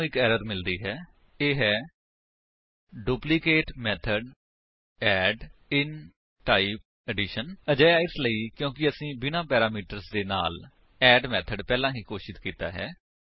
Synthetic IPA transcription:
ɪkɛːɾəɾmɪld̪iːɦɛː | eːɦɛː | ɖuːplɪkeːʈmɛːt̪ʰəɖ | ɛːɖɪn | ʈaːiːp̚ | ɛːɖɪːʃənəd͡ʒaːjaːɪsləiːkjõːkɪəsĩːbɪnãːpɛːɾaːmiːʈəɾsd̪eːna̰ːl | ɛːɖmɛːt̪ʰəɖpɛːlãːɦiːkoːʃɪt̪kiːt̪a̰ːɦɛ̰ː

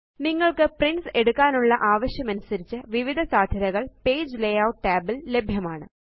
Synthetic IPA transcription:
niŋːɐɭkɨprinse̞ɽukːaːnuɭːɐʔaːʋɐɕjɐmɐnusɐɾit͡ɕːɨʋiʋid̪ʱɐsaːd̪ʱjɐɾɐɣɐɭpe̞ːd͡ʑlejawʈːaːbɐlle̞bʱjɐmaːɳɨ

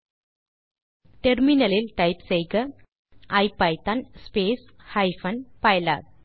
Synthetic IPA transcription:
ʈɛɾmɪnɐlɪlʈɐɪpsɛjɡɐ | ɐɪpɐjt̪ɐnspeːs | hɐɪfɐnpɐɪla̰ː

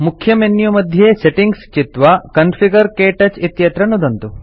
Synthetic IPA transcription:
mukʰjɐmenːjumɐd̪ʱjeːseʈiŋɡst͡ʃit̪ʋɐkɐnfʰiɡɐɾkeːʈɐt͡ʃit̪jɐt̪ɾɐnːud̪ɐnt̪u

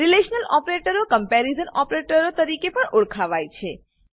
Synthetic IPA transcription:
ɾileʃnəlɔpɾeʈəɾokəmpɛɾizənɔpɾeʈəɾot̪əɾikepəɳoɽkʰaʋajt͡ʃʰe

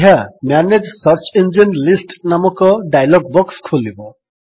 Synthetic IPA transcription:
ɦamjaned͡ʒsɔɾt͡ʃind͡ʒinlisʈnamɔkɔɖajlɔɡ̚bɔkskʰulibɔ

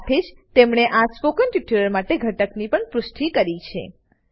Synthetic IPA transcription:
t̪ʰed͡ʒt̪emɳeʔaspokənʈiʈuɾəɾmaʈeɡʱəʈəknipəɳpɾʊʃʈʰikəɾit͡ʃʰḛ

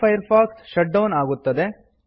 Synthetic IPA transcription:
ɐjɐɾpʰaːksʃɐʈ̚ɖɐwnaːɡut̪ːɐd̪e

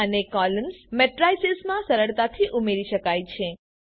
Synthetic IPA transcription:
ənekɔləmsmɛʈɾajsesmãsəɾəɭt̪at̪ʰiʔumeɾiʃəkajt͡ʃʰe

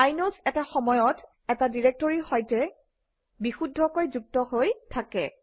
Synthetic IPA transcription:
ajnosɛtaxɔmɔjɔt | ɛtadiɹek̚toɹixɔjtɛ | bixudʱːɔkojzuk̚tɔhojtʰakɛ̰

